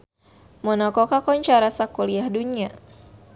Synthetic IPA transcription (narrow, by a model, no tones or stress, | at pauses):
mɔnɔkɔkakɔɲt͡ʃaɾasakuliahdunia